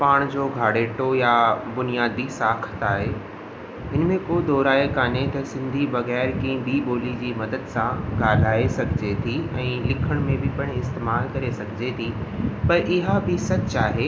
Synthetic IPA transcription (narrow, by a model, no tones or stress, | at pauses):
paːɽ̃d͡ʑoːɡʱaːɽeːʈojabʊnijaːd̪isaːkʰə̥t̪aːɦe | ɪnmẽkod̪ɔːɾaːekaːnet̪ɐsɪ̃nd̪ʱibɐɣɛːɾkĩːbʱiɓoːlid͡ʑiːmɐd̪əd̪sãɡaːl̤aːesɐkɪd͡ʑet̪ʰiɛ̃ːlɪkʰəɽ̃mẽbʱɪpɐɽ̃ɪst̪eːmaːlkɐɾesɐkɪd͡ʑet̪ʰipɐɾʔɪɦabʱɪsɐt͡ɕaːɦe